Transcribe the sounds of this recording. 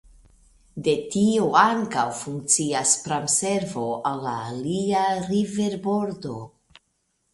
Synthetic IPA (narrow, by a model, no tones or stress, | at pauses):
de̞tioaŋkawfuŋk̚t͡siaspɾamse̞ɾvo̞alːa̰ːliaɾive̞ɾbo̞ɾdo̞